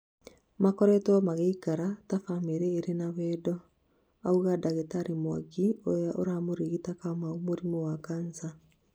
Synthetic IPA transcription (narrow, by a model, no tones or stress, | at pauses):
makɔɾɛtɛɔmaɣɛikaɾatafameɾɛːɾenawɛːdɔ | auɣadaɣetaɾimwaɡiojaʔoɾamoɾiɣitakamaomoɾimowakansa